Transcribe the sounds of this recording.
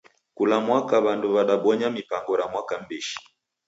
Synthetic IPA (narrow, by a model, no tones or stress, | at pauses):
kulamwakaβanduβaɗaɓɔɲamipaŋɡɔɾamwakam̩biʃi̥